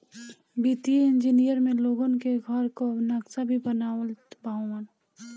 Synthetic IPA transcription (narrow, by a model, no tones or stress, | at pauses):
biːt̪iɪ̃nd͡ʒinijəɾmẽloːɡonkeɡʱəɾkoɐbnaksabʱibənaːwət̪baːan